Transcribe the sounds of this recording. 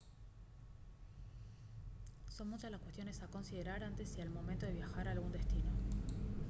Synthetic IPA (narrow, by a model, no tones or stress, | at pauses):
so̞nmut͡ʃazlaskwest̪jo̞ne̞sako̞nsið̞e̞ɾaɾant̪esialmo̞ment̪o̞ðe̞β̞jaxaɾaːlɣund̪est̪ino̞